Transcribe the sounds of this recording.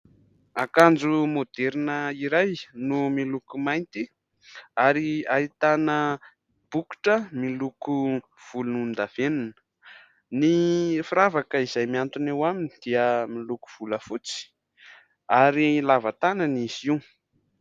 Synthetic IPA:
akand͡zumod̪̥eɾinəiɾajnumilukumajnt̪i | aɾiait̪anə | b̥uku̥ʈ͡ʂəmiluku | v̥ulunund̪av̥enunə̥ | nifiɾavakəizajmiant̪unewamini̥d̪̥iəmiluku̥v̥uləfut͡si̥ | aɾilavat̪ananiziw

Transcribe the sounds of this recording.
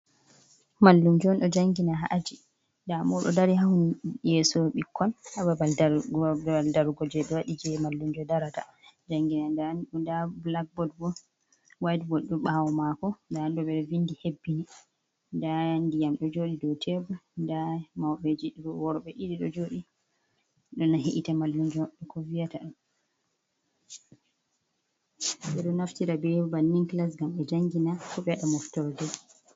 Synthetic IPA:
malːumd͡ʒɔnɗɔd͡ʒaŋɡinaɦaʔad͡ʒi | ndamɔɗɔ̰daɾiɦahunjɛsɔɓikʰːɔnhababa | aldaɾɡɔd͡ʒɛɗɔwaɗid͡ʒɛmalːumd͡ʒɔdaɾata̰ | d͡ʒaŋɡinandanndablak̚bɔd̚bɔ | wajdbɔɗuɓawɔmakɔndandɔɓɛɾvindihebːini | ndandijamɗɔd͡ʒoɗidɔwtʰɛbundamawɓɛd͡ʒiɗiɾɔwɔɾɔɓɛʔiɗiɗɔ̰d͡ʒoɗi | ɗɔnaɦiʔitamalːuɲd͡ʒɔɗɔkɔvijataɛ | ɓɛɗɔnaftiɾabɛbanːiŋklas̬ɡamɛd͡ʒaŋɡinakɔɓɛɗamɔftɔɾdɛ

